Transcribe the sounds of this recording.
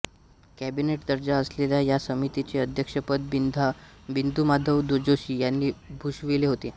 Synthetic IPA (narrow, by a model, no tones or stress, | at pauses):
kæbineʈd̪əɾd͡ʑaəsleljajasəmit̪it͡ɕeəd̪ʱjəkʂəpəd̪̚ | bind̪umad̪ʱəʋd̪od͡ʑoɕiːjanːiːbʱuɕʋileɦot̪e